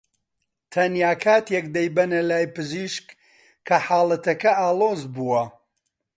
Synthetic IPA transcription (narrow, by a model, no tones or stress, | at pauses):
t̪ʰɐnjaːkʰaːt̪jɛk̚d̪ɐjbɐnɐlaːjpɨziʃkːʰ | ɐħaːlˠɐt̪ɐkɐaːlˠoːzbuwɐ